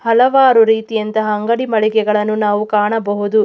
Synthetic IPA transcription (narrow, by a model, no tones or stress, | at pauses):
hɐlɐʋaːɾuɾiːt̪ijɐnt̪ɐɦɐːŋɡɐɽimɐɭiɡɛɡɐɭɐnːunaːʋukaːɳɐbɐɦud̪u